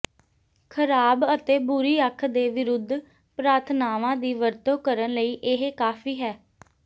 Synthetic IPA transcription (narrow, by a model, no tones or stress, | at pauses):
kʰəɾaːbət̪eːbʊɾiːəkʰːd̪eːʋɪɾʊd̪ʱː | pɾaːɾt̪ʰnaːʋãːd̪iːʋəɾt̪oːkəɾənləiːʔɪɦekaːfʰiːɦɛː